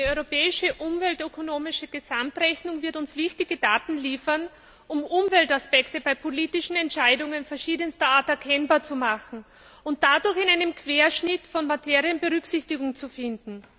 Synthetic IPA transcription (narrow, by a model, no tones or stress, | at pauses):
əɔʏʁopɛːɪʃəʔʊmvɛltøkʰonoːmɪʃəɡ̥əzamtʁɛçnʊŋvɪɐtʊnsv̥ɪçtɪɡədaːtn̩liːfɐn | ʔʊmʔʊmvɛltaspɛktəbaɪpʰoliːtɪʃn̩ɛntʃaɪdʊŋənfɛɐʃiːdənstɐaːɐtɛɐkʰɛnbaːɐt͡sumaχn̩ | ʊnt̚d̥adʊɐxɪnaɪnəmkʰv̥eːɐʃnɪtfɔnmatʰeːʁiənbəʁʏksɪçtɪɡʊŋt͡sufɪndn̩